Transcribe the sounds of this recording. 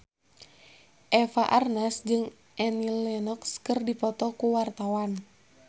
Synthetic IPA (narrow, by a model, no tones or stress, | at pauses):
ʔɛfaʔarnasd͡ʒɨŋ | ʔɛnilɛnɔkskərdipɔt̪ɔkuwart̪awan